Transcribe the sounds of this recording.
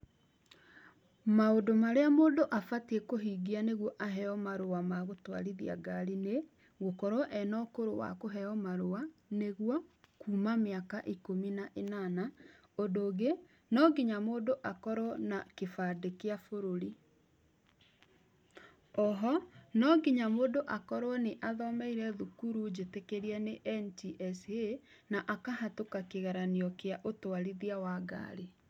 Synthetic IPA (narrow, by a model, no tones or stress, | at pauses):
maodomaɾeamoːndoʔafatekoɦiːɡianeɣwɔʔaɦɛɔmaɾowamaɣotwa̰ɾiðia̰ɡaɾine | ɣokɔɾɔʔɛnɔkoɾowa̰koɦɛɔmaɾoaneɣwɔkuːmameakaʔikominaʔenana | ondoːɣe | nɔɡiɲamoːdoʔakɔɾwɔnakefadekeafoɾoɾi | ɔɦɔnɔɡiɲamoːdoʔakɔɾwɔneʔaðɔmɛiɾɛðukuɾud͡ʑetekeɾiɛneʔɛntiʔɛse | naʔakaɦatokakeɣaɾaneɔkeaʔotoaɾiðiawaɡa̰ɾe